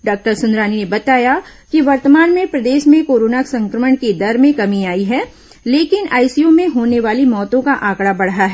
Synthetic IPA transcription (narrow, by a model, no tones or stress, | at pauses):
ɖaːk̚ʈəɾsʊ̃nd̪ɾaːninebɐt̪aːjakiʋɐɾt̪maːnmẽpɾɐd̪eːʃmẽkoːɾoːnaksɐ̃ŋkɾəməɳked̪ɐɾmẽkɐmiaːiɦɛː | leːkɪnaːɪsijõmẽɦoːneʋaːlimɔːt̪õkaʔaːkɽabɐɽɦaɦɛː